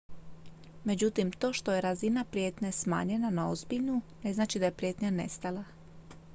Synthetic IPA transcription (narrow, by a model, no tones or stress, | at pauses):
me̞d͡ʑut̪imt̪o̞ːʃt̪o̞je̞ɾazinapɾije̞t̪nesma̰ːɲe̞nanaozbiʎnune̞znaːt͡ʃid̪aje̞pɾje̞t̪ɲane̞̰st̪alˠa